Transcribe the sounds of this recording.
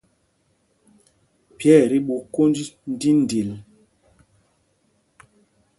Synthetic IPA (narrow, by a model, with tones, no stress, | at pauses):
pjɛ˦˨ɾi˦ɓu˨ko˦ndi˦n̩˦di˦n˨di˨l